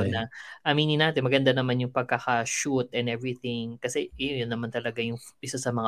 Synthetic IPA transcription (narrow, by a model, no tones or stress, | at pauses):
nɐʔɐmiːnɪnaːt̪ɛnmɐɡɐnd̪anɐmanjʊŋpɐɡ̚kakaʃut̪ʔɛnɛvɾɪθɪŋkɐsɛjojonːɐmant̪ɐlɐɡajʊŋʔɪsasɐmɐŋa